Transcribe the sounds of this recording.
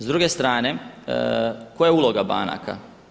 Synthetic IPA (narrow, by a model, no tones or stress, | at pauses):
zd̪ɾuɡe̞st̪ɾaːne | kojeuːlo̞ɡaba̰ːna̰ka̰